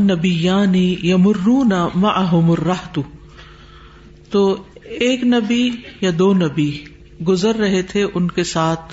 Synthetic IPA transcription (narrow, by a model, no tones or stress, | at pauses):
nɐbɪjːaːnijɐmʊrːuːnɐmɐʕaɦʊmʊrːɐɦt̪u | t̪oːeːknɐbijad̪oːnɐbi | ɡʊzəɾːɐɦet̪ʰeʔʊnkesaːt̪ʰ